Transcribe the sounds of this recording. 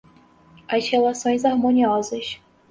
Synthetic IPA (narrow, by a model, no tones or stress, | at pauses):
ɐʃhelasõj̃zaɾmonʲiɔzɐʃ